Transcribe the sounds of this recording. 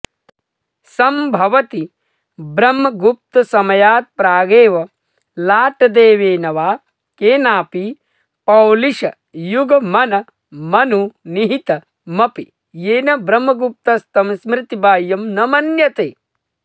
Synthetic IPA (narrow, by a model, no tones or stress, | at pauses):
sɐmbʱɐʋɐt̪i | bɾɐmːɐɡup̚t̪ɐsɐmɐjaːt̪̚pɾaːɡeːʋɐ | laːʈɐd̪eːʋeːnɐʋaː | keːnaːpi | pɐwliʃɐ | juɡɐmɐnɐ | mɐnuniɦit̪ɐ | mɐpi | jeːnɐbɾɐmːɐɡup̚t̪ɐst̪ɐmsmɾɪt̪ibaːjɐmnɐmɐnjɐt̪eː